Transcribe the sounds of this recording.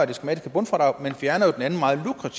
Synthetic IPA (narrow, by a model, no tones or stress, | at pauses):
ɐd̥isɡ̥emæd̥isɡ̥əbɔ̽nfʁɑ̈ɾ̥ɑ̈ɪmenfjæɐnɐjod̥enæn̩mɑ̈ːð̞̩ˠlukʰʁɑt͡sʰi